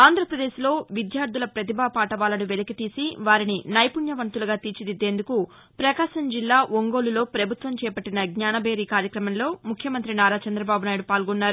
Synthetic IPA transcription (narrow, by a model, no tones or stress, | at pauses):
aːnd̪ʱɾɐpɾɐd̪e̞ːʃilo̞ːʋid̪jaːɾd̪ʱulɐpɾɐt̪̬ibaːpaːʈɐʋaːlɐnuʋelɐkit̪iːsiʋaːɾininɐjpunjɐʋɐnt̪uluɡaːt̪iːt͡ʃid̪id̪ːe̞ːnd̪uku | pɾɐkaːʃɐmd͡ʒilːaːʋoŋɡo̞ːlulo̞ːpɾɐbʱut̪ʋɐmt͡ʃɛːpɐʈːinɐɡɲaːnɐbʱe̞ːɾiːkaːɾjɐkɾɐmɐnlo̞ːmukʰjɐmɐnt̪ɾinaːɾaːt͡ʃɐnd̪ɾɐbaːbunaːjɽupaːlɡɔnːaːɾu